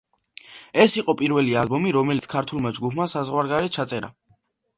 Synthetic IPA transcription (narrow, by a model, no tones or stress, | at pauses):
ɛsiqʼɔpʼiɾvɛlialˠbɔmiɾɔmɛlit̪sʰkʰaɾt̪ʰulˠmad͡ʒɡupʰmasazʁwaɾɡaɾɛt̪̚t͡ʃʰat̪sʼɛɾa̰